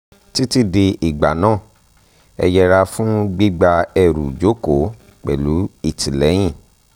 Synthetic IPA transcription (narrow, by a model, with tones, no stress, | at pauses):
ti˦ti˦de˧ʔi˨ɡ͡ba̰˨nãː˦˨ | ɛ̰˧jɛ˧ɾa˧fũ˦ɡ͡bi˦ɡ͡ba˧ɛ˧ɾṵ˨d͡ʒo˨˦ko˨˦ | k͡pɛ̰˨lu˨˦i˦˨tʰi˨lɛ˨˦j̃ĩ˦˨